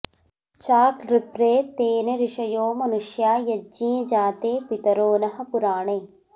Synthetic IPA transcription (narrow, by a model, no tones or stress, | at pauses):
t͡ʃaːkɾipɾeːt̪eːneɾiʂɐjoːmɐnuʃjaːjɐd͡ʒĩːd͡ʒaːt̪eːpit̪ɐɾoːnɐɦɐ̆puɾaːɳeː